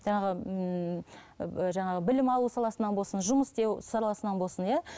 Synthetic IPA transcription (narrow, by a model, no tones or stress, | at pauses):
ʒɑɴɑʁə | ʒɑɴɑʁəbɪlɪmɑlˠusɑlˠɑsənɑnbolˠsənʒʊməsd̪esɑlˠɑsənɑnbolˠsənja